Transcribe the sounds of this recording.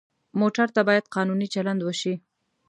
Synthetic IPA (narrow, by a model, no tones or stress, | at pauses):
moʈaɾt̪abɑjad̪̚qɑnunit͡ʃaland̪wəʃi